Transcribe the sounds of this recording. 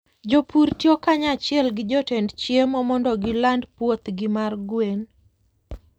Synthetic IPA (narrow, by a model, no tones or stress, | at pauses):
d͡ʒopuɾtjokaɲat͡ʃɪɛlɡɪd͡ʒɔtendt͡ʃjemɔmɔndɔɡɪlandpwot̪ɡɪmarɡwen